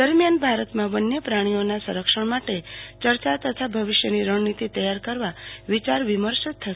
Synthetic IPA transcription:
d̪əɾmjanbʱaɾət̪mãbənjəpɾaɽ̃ionasə̃ɾəkʃəɳ̃maʈet͡ʃəɾt͡ʃat̪ət̪ʰabʱəʋiʃjəniɾəɳnit̪it̪əjaɾkəɾʋaʋit͡ʃaɾʋiməɾʃt̪ʰːəʃe

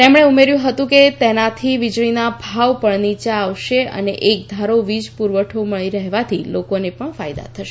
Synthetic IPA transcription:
t̪emɽ̃eumeɾjũɦət̪ũket̪enat̪ʰiʋid͡ʒɭinabʱaʋpəɳnit͡ʃaːʋʃeə̰neʔek̚d̪ʱaɾoʋid͡ʒpuɾʋəʈʰoməɭiɾəɦʋat̪ʰilokonepəɳfajd̪a̰t̪ʰəʃe

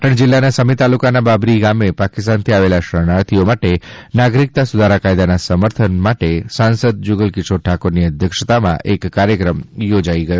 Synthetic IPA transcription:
ʈəɳd͡ʒɪlːanasəmit̪alukanababɾiɡamepakɪst̪ant̪ʰiaʋelaʃəɽ̃aɾt̪ʰiomaʈenaɡɾik̚t̪asʊd̪ʱaɾakajd̪anasəməɾt̪ʰənmaʈesãnsəd̪̚d͡ʒʊɡəlkɪsʰoʈʰakoɾniəd̪ʱjəkʂət̪amã̰ʔekːaɾjəkɾəmjod͡ʒaiɡəjo

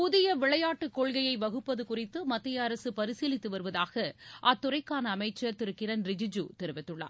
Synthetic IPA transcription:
pʊðɪjɐʋɪɭɐjaːʈːɯkːɔɭɣɐjɐɪʋɐɣɯpːɐðɯkʊrɪt̪ːɯmɐt̪ːɪjɐːɾɐsɯpɐɾɪsiːlɪt̪ːɯʋɐɾɯʋɐðaːɣɐʔɐt̪ːʊrɐɪkːaːnɐːmɐɪt͡ʃːɐɾt̪ɪɾɯkːɪɾɐnɾɪd͡ʒɪd͡ʒṵt̪ɛɾɯʋɪt̪ːɯɭːa̰ː

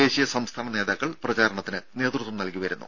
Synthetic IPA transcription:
e̞ːɕijɐsɐmst̪ʰaːnɐne̞ːðaːkːɐɭprɐt͡ɕaːɾɐɳɐt̪ːinɨne̞ːt̪rut̪ʋumnɐlkiʋɐɾunːṵ

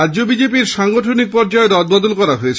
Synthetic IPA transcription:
aːd͡ʑobid͡ʑepiɾʃaŋɡoʈʰonik̚pɔɾd͡ʑaeɾɔd̪̚bɔd̪olkɔɾaɦoet͡ɕʰ

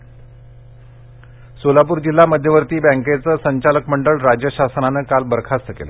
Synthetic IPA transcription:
solapuːɾd͡ʑilːaməd̪ʱjəʋəɾt̪iːbɛ̃ŋket͡səːsəɲt͡ɕaləkməɳɖəɭɾad͡ʑjəɕasənanəːkalbəɾkʰast̪əkḛlə̰

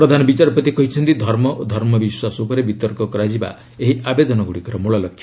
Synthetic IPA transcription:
pɾɔd̪ʱanɔbit͡ʃaɾɔpɔt̪ikɔɦit͡ʃʰɔnt̪id̪ʱɔɾmɔʔd̪ʱɔɾmɔbiswasuupɔɾebit̪ɔɾkɔkɔɾad͡ʒiba̰ | eɦiabed̪ɔnɔɡuɽikɔɾɔmuɭɔlɔkʰːj

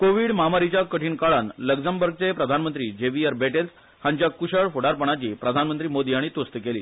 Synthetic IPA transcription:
koʋiːɽmamaɾit͡ɕjakəʈʰiːnkaɭanləɡd͡zəmbəɾɡ̚t͡sepɾəd̪ʱanmənt̪ɾiːd͡ʑeʋiəɾbeʈels | hãɲt͡ɕjakuɕəɭfoɽaɾpəɳ̃at͡ɕiːpɾəd̪ʱanmənt̪ɾiːmod̪iːaɽ̃it̪ust̪əkelḭː

